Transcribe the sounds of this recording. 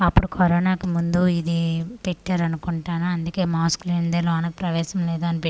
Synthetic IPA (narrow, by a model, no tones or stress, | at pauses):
ɐpːuɽukʰɐɾɔːnaːkumund̪uid̪ipeʈːaːɾɐnukuɳʈaːnuɐnd̪uke̞ːmaːskulend̪ɐloːɐnɐkpɾɐʋɛːʃɐmlɛːd̪uɐnipe